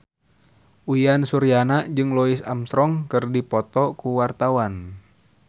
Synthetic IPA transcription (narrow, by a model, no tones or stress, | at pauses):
ʔujansuɾianad͡ʒɨŋlɔisamsɾɔŋkɨrdipɔt̪ɔkuwart̪awan